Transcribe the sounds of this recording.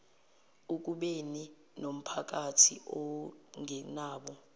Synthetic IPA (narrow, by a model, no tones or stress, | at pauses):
uk̬uɓeni | nom̩pʰak̬atʰḭʔɔŋɛnaːɓɔ